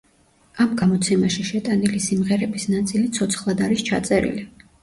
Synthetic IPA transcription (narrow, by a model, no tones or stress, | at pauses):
amɡamɔt̪sʰɛmaʃiʃɛt̪ʼanilisimʁɛɾɛbisnat̪sʼilit̪sʰɔt̪sʰχlˠad̪aɾist͡ʃʰat̪sʼɛɾḭli